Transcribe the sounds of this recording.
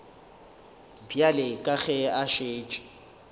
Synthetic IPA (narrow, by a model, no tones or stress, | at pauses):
bjalɪkʼaɣɛaʃeːt͡ʃʼɪ̥